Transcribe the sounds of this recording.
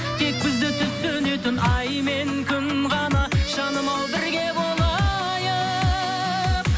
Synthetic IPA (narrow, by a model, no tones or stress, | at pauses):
t̪ʰe̞k̚bɪzd̪ɪt̪ʰʏpsønet̪ɪnɑjmeŋkʲʰʏmʁɑnɑʃɑnəmɑlˠbɪɾɡʲe̞bo̞lˠɑ | jə